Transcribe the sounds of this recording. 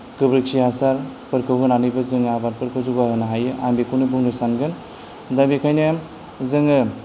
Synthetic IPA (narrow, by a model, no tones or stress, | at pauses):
kɯbɾɯksiasaɾpɯɾkʰɯwɡɯnanɯjbɯzɯŋabaɾpɯɾkʰɯwzuɡaɦɯnaɦajɯʔambekunɯbuŋdɯsanɡɯn | dabikʰajnajm | zɯŋɯ